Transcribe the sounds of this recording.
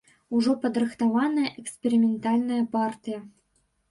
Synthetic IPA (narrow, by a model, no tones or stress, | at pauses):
uʐopəd̪rɤχt̪ɑvɑnəjəʔekspʲeɾʲimʲɪnt̪ɑlʲnəjəpɑrtʲijə